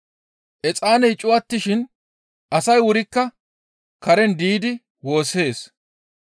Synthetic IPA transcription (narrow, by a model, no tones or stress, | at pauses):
ʔɛt͡sʼaːnɛjt͡ʃʼʊwɐt̪ːɪʃɪn | ʔɐsɐjwʊɾɪkːɐ | kɐɾɛnd̪iːd̪ɪ | wo̞ːse̞ːs